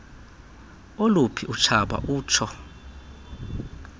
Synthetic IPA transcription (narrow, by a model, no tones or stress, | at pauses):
olupʰiʔut͡ʃʰaɓa̰ʔuːt͡ʃʰɔ